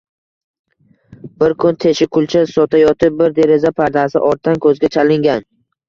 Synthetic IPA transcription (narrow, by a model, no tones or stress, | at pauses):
b̥ɪɾkʰʊnt̪ʰe̞ʃɪkʰʊlˠt͡ʃʰasɒt̪ʰajɒt̪ʰɪp̚bɪɾd̪e̞ɾezapʰaɾd̪asɪʔɒɾt̪̚ʰːankʰɵzɡʲat͡ʃʰalɪŋɡʲan